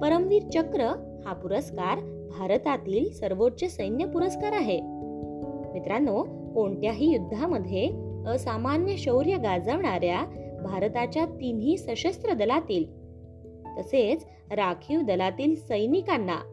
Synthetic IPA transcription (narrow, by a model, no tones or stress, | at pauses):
pəɾəmʋiːɾt͡ɕəkɾə | hapuɾəskaɾ | bʱaɾt̪at̪iːlsəɾʋot̚t͡ɕəsəjnjəpuɾəskaɾaɦe | mit̪ɾano | koɳʈjaɦiːjud̪ʱːaməd̪ʱjeəsamanjəɕəwɾjəɡad͡zəʋɳaɾjabʱaɾt̪at͡ɕjat̪inɦiːsəɕəst̪ɾəd̪əlat̪iːl | t̪əset͡s | ɾakʰiʋd̪əlat̪iːlsəjnikanːa̰